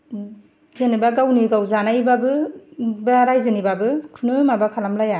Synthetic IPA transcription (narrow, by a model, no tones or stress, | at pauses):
zenibaɡawniɡawzanajbabɯbaɾajzɯnibabɯkʰɯnɯmabakʰalamlaja